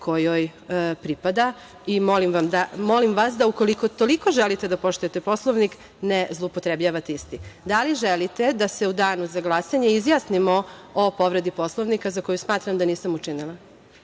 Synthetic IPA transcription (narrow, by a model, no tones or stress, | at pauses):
kʰojojpɾipad̪a | imolimʋamd̪amo̞limʋasd̪auko̞liko̞t̪oliko̞ʒelit̪ed̪apo̞ʃt̪ujet̪epo̞slˠoʋnik | nezlˠoupot̪ɾebʎaʋat̪ist̪id̪aliʒelit̪e̞d̪ase̞ud̪aːnuzaɡlˠaːsaɲeizjasnimoopo̞ʋɾe̞d̪ipo̞slˠoʋnikazako̞jusmaːt̪ɾamd̪aniːsamut͡ʃinilˠa